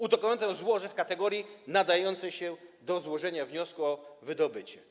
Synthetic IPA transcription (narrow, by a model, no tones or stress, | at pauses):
ud̪ɔkɔnat̪̬ɛ̃zwɔʐɛfkat̪ɛɡɔɾʲjinad̪ajɔnt̪sɛjɕɛd̪ɔzwɔʐɛɲavɲɔskuɔvɘd̪ɔbɘt͡ɕɛ